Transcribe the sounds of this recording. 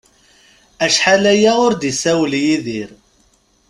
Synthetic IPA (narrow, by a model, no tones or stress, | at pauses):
æʃħalæjæʊɾd̪isæwljiðiɾ